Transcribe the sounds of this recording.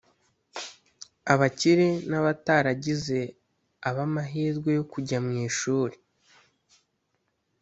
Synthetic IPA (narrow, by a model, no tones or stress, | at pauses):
aβaciɾenaβataɾaɟize̞ | aβamaɦiːzɡwe̞jo̞kuɟamŋiːʃuːɾe